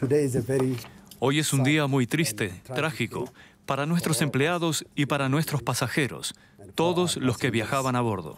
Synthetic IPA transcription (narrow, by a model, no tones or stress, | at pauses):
tudeɪzəvɛɾio̞je̞sund̪iamujt̪ɾist̪e̞t̪ɾaxiko̞̰ | paɾanwe̞st̪ɾose̞mpleaðo̞sipaɾanwe̞st̪ɾo̞spasaxe̞ɾo̞̰s | t̪o̞ðo̞slo̞ske̞βjaxaβanaβ̞o̞ɾðo̰